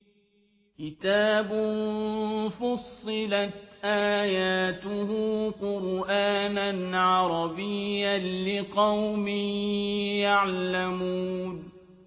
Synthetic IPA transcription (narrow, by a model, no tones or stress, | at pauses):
kɪt̪aːbʊ | fɑsˤːɨlat̪ʔaːjaːt̪ʊhuːqʊɾʔaːnanʕɑɾˤɑbɪjːanlɪqɑwmɪ | jaʕlamuːn